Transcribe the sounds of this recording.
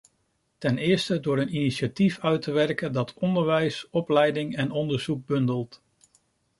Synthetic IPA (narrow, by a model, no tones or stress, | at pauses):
tɛnɪːɹstədʊːɹəniniʃatifœɥtəʋɛɹkəndɑtʰɔndəɹʋɛjsɔplɛjdɪŋɛnɔndəɹz̥uk̚bɵndəlˠt